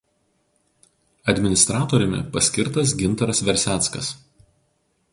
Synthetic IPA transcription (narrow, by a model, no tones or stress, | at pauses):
ɐd̪ʲmʲɪnʲɪst̪ɾɑːt̪oːɾʲɪmʲɪ̰pɐsʲkʲɪɾt̪ɐs̬ɡʲɪnˑt̪ɐɾɐsʋʲɛɾʲsʲæːˑt̪skɐ̰s